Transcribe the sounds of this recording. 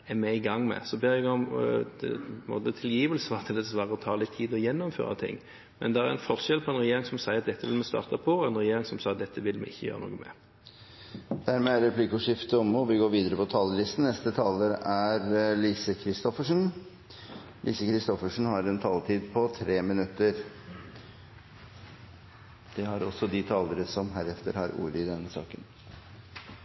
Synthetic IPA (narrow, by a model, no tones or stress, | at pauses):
ɛmɛɪɡɑŋmɛ̰sɔbɛɾɛɡɑ | mɔ̰d̪ət̪ʰɪljiːʋəlsəɑt̪ʰːd̪ɛsʋɑːʁəɔt̪ʰɑːlɪt̪ʰːiːd̪ɔjɛnːɔmfø̰ːɾɑ̰t̪ʰɪ̰ŋː | mɛnd̪ɛæɾɛnfɔʁʃɛlpʰɔɛnʁɛjeːɾɪŋsɔmsæɪɾɑt̪̚d̪ɛt̪ːəʋɪlmɛst̪ɑ̰ːʁt̪ɑpʰɔɛnʁɛjeːɾɪŋsɔmsɑːt̪̚d̪ɛt̪ːəʋɪlmɛ̰ɪçːəjø̰ːɾəno̰ːɡəmɛ̰ | d̪̥æɾmɛːæɾɛpʰliːkʊʂɪft̪əɔmɔʋɪɡoːɾʋiːd̪əɾəpɔt̪ʰɑːləlɪst̪n̩ɛst̪ət̪ʰɑːləɾæɾlisəkʰɾɪst̪ɔfəʂn̩ | lʔḭːsəkɾɪst̪ɔfəʂn̩hɑɾɛnt̪ʰɑːlt̪ʰiːd̪̚pʰɔt̪ʰɾeːmɪnʉt̪ːəɾ | d̪̥ɛhɑɾɔsːɔd̪ɪt̪ʰɑːləɾəsɔmɦæɾɛft̪əɾhɑ̰ɾṵːɾəɪd̪ɛnːəsɑ̰ːkən